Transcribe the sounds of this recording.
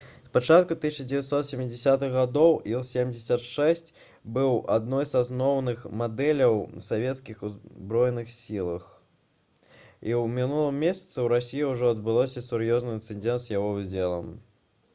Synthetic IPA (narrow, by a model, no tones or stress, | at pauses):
spat͡ʂat̪̚kut̪ɨsʲt͡ʃɐd͡zʲɪvʲat̪sɔt̪sʲɛmʲːɪd͡zʲɪsʲat̪ɨɣɣad̪ɔwʔilˠsʲemʲd͡zʲɪsʲɐt̪ʂɛsʲt͡sʲ | bɨwʔad̪nɔjzasnɔwnɨxmad̪ɛlʲɐwsavʲɛt̪skʲixubɾɔjɛnɨxsʲilˠɐx | iwmʲinulˠɨmːʲesʲɐ̥t̪sɨwɾasʲijiwʐɔɐd̪̚bɨlˠɔsʲɐsuɾjɔznɐjɨnt̪sɨnʲd͡zʲɛnt̪zjaɣɔvɨd͡zʲɛlˠɐ̰m